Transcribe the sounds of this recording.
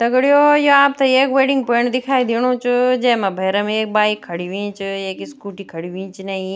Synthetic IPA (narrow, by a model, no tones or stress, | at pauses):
t̪ɐɡɽijojoaːp̚t̪ɐeːkʋeːɖɪ̃ŋɡ̚pɐəɽ̃d̪ɪkʰaːid̪iɽ̃ot͡ʃʊd͡ʒɐ̃ɦɪ̃mãbʱɐːɾəmẽeːk̚baːikʰːɐɽiʋĩːt͡ʃɪeːkɪskuːʈikʰɐɽiʋĩːt͡ʃnɐĩ